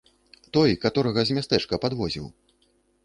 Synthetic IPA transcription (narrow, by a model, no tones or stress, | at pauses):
t̪ɔjkat̪ɔɾɐɣɐzʲmʲast̪ɛt͡ʂkɐpad̪vɔzʲḭw